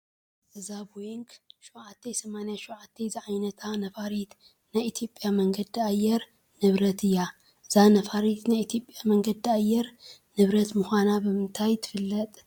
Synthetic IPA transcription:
zɐzabwiŋkʃuʕat̪ʰːesɐmanjaʃuʕat̪ʰːeziʕajnɐt̪ʰanɐfaɾit̪ | najit̪ʰjo̞pʼjamɐŋɡɐd̪iajːɛɾ | nɨβɾɐt̪ʰɨjːa | ɨz̥anɐfaɾit̪najit̪ʰijo̞pʼːjamɐŋɡɐd̪iajːɛɾnɨβɾɐt̪mɨxanabɨmɨnt̪ʰajt̪ʰɨ̥fɨlːɐt̪ʼ

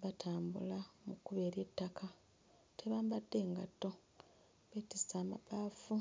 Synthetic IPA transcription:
βatʰaːmbṵlamukːuβe̞ɾe̞tːakʰa | tʰe̞βaːmbadːe̞ːŋɡatːo̞ | βetisaːma̰baːfu

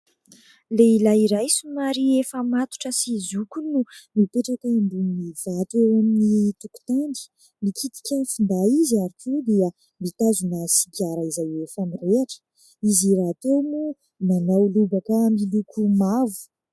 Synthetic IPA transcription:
leilaiɾajsumaɾiefəmat̪u̥ʈ͡ʂəsizukunumipeʈ͡ʂakaambunniv̥at̪uewaminit̪uku̥t̪andi̥ | mikʰit̪i̥kʲanifund̪aizaɾikʰud̪iə | mit̪azunəsiɡaɾaizajefamireaʈ͡ʂə̥ | iziɾat̪onu | nanawlubakamilukʰumavu̥

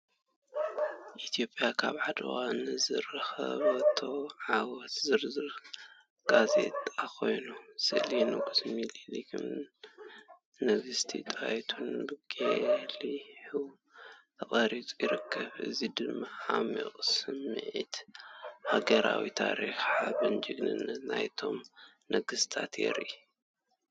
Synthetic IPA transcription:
ʔit̪ʰijo̞pʼjakʰaβʕad̪ɨwanɨzɨɾɨxɐ̰βɐt̪ʰo̞ʕawɔt̪zɨɾzɨɾ | ɡ̥aze̞̰t̪ʼakʰo̞jnusɨʔlinɨɡusmililikʰɨm | nɐβɨst̪ʰḭt̪ʼajt̪ʰunbɨɡ̥eliħu | t̪ʰɐχʼɐɾit͡sʼujɪɾɨkʰːɐβɨ̰zid̪ɨmːaħamḭχʼsɨmːɨʕḭt̪ | haɡɐɾawit̪ʰaɾixaβɨnd͡ʒɨɡnɨ̰nːɐt̪najt̪ʰo̞m | nɐɡɨst̪ʰat̪jḛɾi

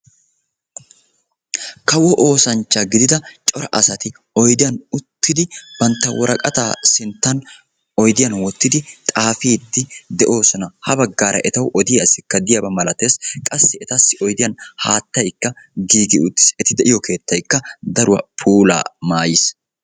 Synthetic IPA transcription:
kɐwɔʔoːsɐnt͡ʃːɐɡɪd̪ɪd̪ɐt͡ʃʼɔɾɐ̰ʔɐsɐt̪ɪ | ɔjd̪ɪjɐnʊt̪ːɪd̪ɪb̥ɐnt̪ːɐwɔɾɐkʼɐt̪aːsɪnt̪ːɐn | ɔjd̪ɪjɐnwɔt̪ːɪd̪ɪt̪ʼaːfiːd̪ːɪd̪ɛʔo̞ːsɔnɐhɐbɐɡːaːɾʔɐ̰ʔɛt̪ɐwʔɔd̪ɪjɐsɪkːɐd̪ɪjɐbɐmɐlɐt̪e̞ːskʼɐsːɪɛt̪ɐsːɪʔɔjd̪ɪjɐnhaːt̪ːɐjkːɐ | ɡiːɡɪʊt̪ːɪ̥sɛt̪ɪd̪ɛʔɪjɔke̞ːt̪ːɐjkːɐd̪ɐɾʊwɐ̰pʰuːla̰ːmaːjɪs

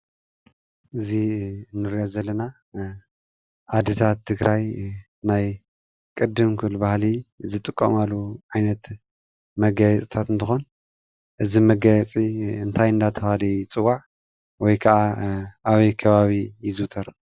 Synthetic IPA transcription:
ʔɨziɨnːɨɾijozɐlːɐna | ʔad̪ɨt̪ʰat̪ʰːɨɡɾaj | naj | kʼɨd̪ːɨmkʰɨβlbahlizɨt̪ʼɨkʼːɐmalːuʕajnɐt̪ | mɐɡajɛt͡sʼɨt̪ʰat̪ɨnt̪ʰɨxo̞n | ʔɨzimɐɡajɛt͡sʼiɨnt̪ʰajɨnd̪at̪ʰɐβalit͡sʼɨwaʕ | wɔjkʰɐʕaʔaβɐjkʰɐβaβijɪzɨt̪ʰɐɾ

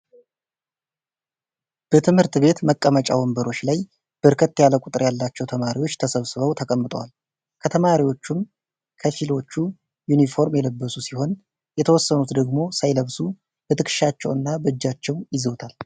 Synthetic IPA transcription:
b̥ət̪ʰɨmhɨɾt̪βe̞t̪məkʼːəmət͡ʃʼa̰wɔmbəɾo̞t͡ʃːlaj | b̥ɨɾkʰət̪ːjaləkʼʊt̪ʼɨɾjalːat͡ʃːɛwt̪ʰəmaɾiwo̞t͡ʃːt̪ʰəsəβsɨβəwt̪ʰəkʼəmːɨt̪ʼə̰wa̰l | kʰət̪ʰəmaɾiwo̞t͡ʃːum | kʰəfilo̞t͡ʃːu | junifo̞ɾmjɛləbːəsusiho̞n | jɛt̪ʰəwɔsːənut̪d̪əɡmo̞sajləβsu | bət̪ʰɨkʰɨ̥ʃat͡ʃːɛwɨnːabəd͡ʒːat͡ʃːɛwjɪzəwt̪ʰal

